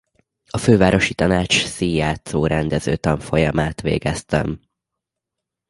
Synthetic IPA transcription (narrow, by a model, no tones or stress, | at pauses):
ɒføːvaːɾo̞ʃit̪ɒnaːt͡ʃsijjaːt̪soːɾɛnd̪ɛzø̰ːt̪ɒɱfo̞jɒmaːt̪ʋḛːɡɛst̪ɛ̰m